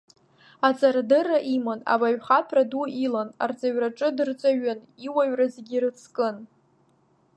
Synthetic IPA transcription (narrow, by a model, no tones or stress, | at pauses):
at͡sʼardɨraʔimona̰baɥχatʰraduilana̰rt͡sʼaɥraʈ͡ʂʼɨdɨrt͡sʷʼaɥɨn | iwaɥrazeɡʲiɾɨt͡sʰkʼɨn